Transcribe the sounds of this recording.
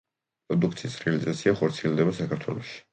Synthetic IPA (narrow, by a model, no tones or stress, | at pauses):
pɾɔd̪uk̚ʰt̪sʰisɾɛalizat̪sʰiaχɔɾt̪sʰiɛlˠd̪ɛbasakʰaɾt̪ʰwɛ̰lˠɔʃi̥